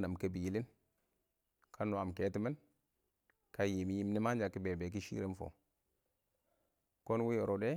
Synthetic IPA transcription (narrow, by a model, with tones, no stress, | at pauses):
na˨mke˦bi˨ji˨li˦n | kʰa˦no˨a˨mke˨˦ti˦mi˦n | ka˦ji˨mi˦ji˦m˦ni˦ma˦nd͡ʒa˨ki˦be˨be˨k̬i˦ʃḭ˦ɾe˦nfo̰˨ | ko˦nwi˦jo˨ɾo˨de˦